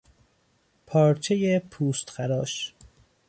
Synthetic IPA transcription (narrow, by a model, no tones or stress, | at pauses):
pʰɒːɾt͡ʃʰejepʰuːst̪xæɾɒːʃ